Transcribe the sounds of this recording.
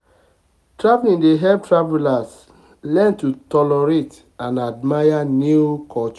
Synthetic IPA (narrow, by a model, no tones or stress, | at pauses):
tɹavlĩndeɦɛp̚tɹavɛlas | lɛ̃ntutɔlɔɹet | ãnad̚majanjukʰɔt͡ʃ